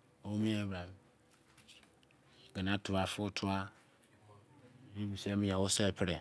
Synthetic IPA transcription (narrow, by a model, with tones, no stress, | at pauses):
o˦mĩ˦ɛ˦bɾa˨b | ɡɛ˨na˦tu˨wa˨fu˦˨tʰu˦a˦˨ | i˦bi˨sɛ˦mi˦jã˨wo˦sɛ˦lpʰɪ˦ɾɛ˨